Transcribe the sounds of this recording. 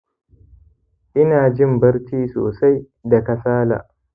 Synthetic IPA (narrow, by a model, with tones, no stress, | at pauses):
ʔɪ˦naː˨d͡ʒɪ˦mbɐ˦ɽt͡ʃiː˦so̰ː˨sa˦j | da˨ka˨saː˦la̰ː˨ʔ